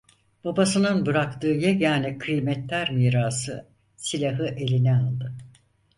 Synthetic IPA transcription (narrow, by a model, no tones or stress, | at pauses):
b̥abasɯnɯnbɯɾakt̪ɯːjɛjaːnikʰɯjmɛt̪lʲæɾmiːɾaːsɯ | silʲaɦɯʔe̞lʲinɛalˠd̪ɯ